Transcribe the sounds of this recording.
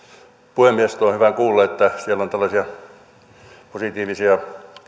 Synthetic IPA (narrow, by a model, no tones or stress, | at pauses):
puhemːiest̪oːhyʋækuːlːɑet̪ːæsielont̪ælːɑsiɑ | posit̪iːʋisiɑ